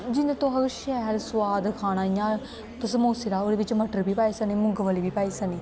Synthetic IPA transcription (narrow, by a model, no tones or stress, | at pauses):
d͡ʒɪnẽt̪õɦɐɾʃɛɦlsʋaːd̪kʰaːñaːijã | t̪ɐsəmoːsɪɾaːoɽeːʋɪt͡ʃməʈəɾbʱiːpaːisɐnimʊŋɡʋəlibiːpaːisɐniː